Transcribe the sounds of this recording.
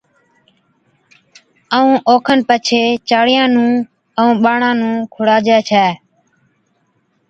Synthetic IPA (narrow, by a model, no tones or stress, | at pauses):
əũːʔoːkʰənpət͡ʃʰeːt͡ʃaːɽɪjãːnũː | əũːɓaːɳãːnũːkʰʊɽaːd͡ʒɛːt͡ʃʰɛː